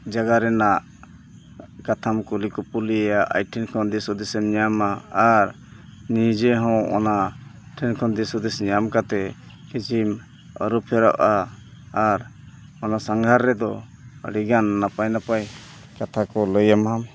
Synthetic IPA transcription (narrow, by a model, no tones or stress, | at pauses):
d͡ʒaɡaɾɛnaʔ | kat̪ʰamkulikɔpulijaʔa̰jʈʰinkʰɔnd̪isud̪ɛsɛmɲamaːɾ | nid͡ʒɛɦɔ̃ɔ̰naʈʰinkʰɔnd̪isud̪isɲamkat̪ɛ | kit͡ʃim | ə̰ɾupʰɛɾa̰ʔaː | ɾ | ɔnasaŋɡʱaɾːɛd̪ɔ | ɽiɡanːapajnapaj | kat̪ʰakɔləjamɦam